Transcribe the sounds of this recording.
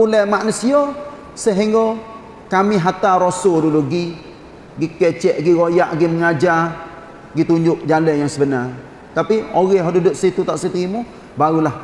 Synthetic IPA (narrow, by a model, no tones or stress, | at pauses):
ulɛhmaʔnəsiɔ | səɦiŋɡɔ | kamiɦat̪aɾosʊduluɡi | ɡikɛt͡ʃɛʔɡiɣojaʔɡiməŋad͡ʒar | ɡit̪uɲd͡ʒʊʔd͡ʒalɛjaŋsəbənar | t̪apioɣɛhɦodudʊʔsit̪ut̪aʔsit̪imu | baɾulah